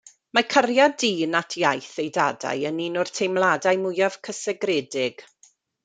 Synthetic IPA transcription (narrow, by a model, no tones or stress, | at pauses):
makʰərjadiːnatʰjajθejda̰ːda̰jəninʊr̥tʰejmlˠaːdajmʊjav̥kʰəsɛɡrɛːdɪɡ̥